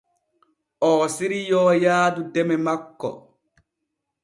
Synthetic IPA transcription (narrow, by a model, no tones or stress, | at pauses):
ʔɔːsiɾijɔːjaːdudɛmɛmakːɔ̰